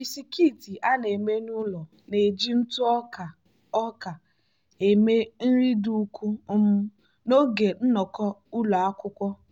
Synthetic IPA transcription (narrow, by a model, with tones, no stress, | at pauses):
i˨si˨ki˦˨ti˨ʔa˦ne˨me˦nʊ˦lɔ˨ | ne˨d͡ʒi˦n̩˦tʊ˦ɔ˦ka˨ | ɔ˦ka˨ | e˨me˦n̩˦ɾi˦du˦kʷu˦m̩˦ | no˦ɡe˨n̩˦nɔ˨kɔ˦ʊ˦lɔ˨a˦kʷʊ˦kʷɔ˦